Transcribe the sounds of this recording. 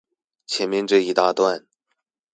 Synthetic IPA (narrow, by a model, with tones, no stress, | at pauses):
t͡ɕʰjɛ˧˥nmjɛ˥˧nʈ͡ʂɤ˥˧i˥˩t̪a˥˧t̪wa˥˩n